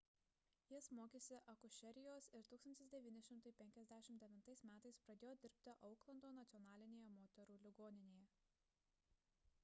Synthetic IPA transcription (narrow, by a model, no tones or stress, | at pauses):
jɪsmoːkʲeːsʲɪʔɐkʊʃʲɛɾʲɪjoːsɪɾt̪uːksɐnt̪ʲɪsd̪ʲɛʋʲiːnʲɪʃʲɪmt̪ɐɪpʲɛŋʲkʲɛzʲd̪ʲæʃʲɪmt̪d̪ʲɛʋʲɪnt̪ɐɪsmʲæːt̪ɐɪspɾɐd̪ʲeːjoːd̪ʲɪɾʲpʲt̪ʲɪʔɒʊklˠɐnd̪oːnɐt̪sʲɪɔnɑːlʲɪnʲeːjɛmoːt̪ʲɛɾuːlʲɪɡoːnʲɪnʲeːjɛ